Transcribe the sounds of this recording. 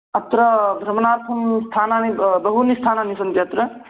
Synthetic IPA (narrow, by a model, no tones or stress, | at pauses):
ɐt̪ɾɐbʱɾɐmnaːɾt̪ʰɐmst̪ʰaːnanibɐɦunist̪ʰaːnanisɐnt̪jɐt̪ɾɐ